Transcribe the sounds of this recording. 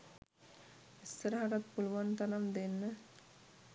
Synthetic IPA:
ist̪əɾəɦaɾat̪̚puluʋant̪anamd̪enːə

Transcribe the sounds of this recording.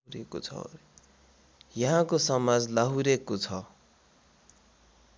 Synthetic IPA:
ɾeko̰t͡sʰʌ̰ | jʌɦãkosʌmad͡zlaɦuɾekot͡sʰʌ

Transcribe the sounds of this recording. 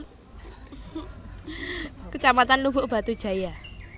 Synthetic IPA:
kət͡ʃamat̪anlubʊʔb̥a̤t̪ud̥ʒ̥a̤ja

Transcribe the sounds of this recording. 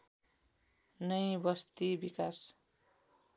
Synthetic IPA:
nʌjbʌst̪ibikas

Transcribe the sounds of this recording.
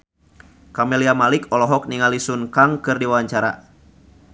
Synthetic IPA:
kamɛliamalikɔlɔɦɔk̚niŋalisunkaŋkɨrdiwawaɲt͡ʃaɾa̰

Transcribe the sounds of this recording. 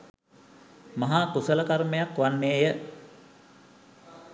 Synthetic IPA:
mɐɦat̪usələkaɾmejakʋanːeːjə

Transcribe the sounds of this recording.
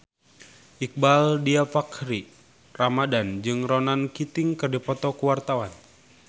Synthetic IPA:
ʔik̚baldiafakɾi | ramadand͡ʒɨŋrɔnankit̪iŋkɨrdipɔt̪ɔkuwart̪awan

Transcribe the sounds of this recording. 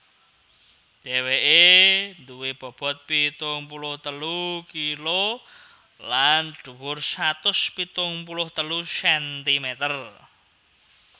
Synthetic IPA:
d̥eweʔend̪uwib̥ɔ̤b̥ɔ̤t̪̚pit̪ʊŋpulʊht̪əlukilo | lanɖ̥uwʊrsat̪ʊspit̪ʊŋpulʊht̪əlusɛnt̪imet̪ər

